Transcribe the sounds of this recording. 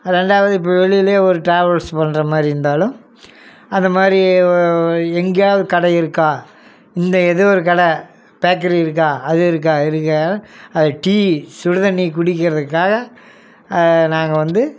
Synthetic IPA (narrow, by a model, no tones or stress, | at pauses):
ɾɛɳɖaːʋɐðɯɪp̬ːoːʋɛɭɪjɪleːɔɾɯʈɾaːʋɐlspɐnːɾɐmaːd̪ɾiɾɯnd̪aːlɯ̃m | ɐnd̪ɐmaːd̪ɾi | ɛŋɡɐjaːðɯkɐɽɐɪɾɯkːãː | ɪnd̪ɐɛðɐɔɾɯkɐɽɐ | b̥aːk̬ːɐɾiɪɾɯk̬ːãːɐðɯɪɾɯk̬ːaːɪɾɯkːɐɐðɐʈiːsʊɾɯðɐnikʊɽɪk̬ːɪɾɐðɯkːaːɣɐ | naːŋɡɐʋɐnd̪ɯ